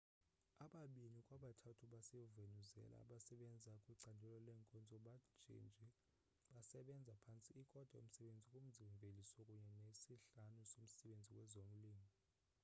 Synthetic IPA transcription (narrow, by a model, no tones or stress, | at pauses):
aɓaɓinikʼwaɓatʰatʰuɓasɛjɔvenuzɛ̰la̰ɓasɛɓɛnd͡zʱakʼwiǀandʱɛlɔlɛŋkʼɔnd͡zʱɔɓḁʒ̥ʰʱʼḭnd͡ʒʱi | ɓasɛɓɛnd͡zʱapʰant͡sʼiːkʼɔd̥ʱa̰o̰m̩sɛɓend͡zʱikʼum̩ziɱvʱelisɔkʼuɲɛnesiɬanusom̩sɛɓend͡zʱikwɛzom̩liːmɔ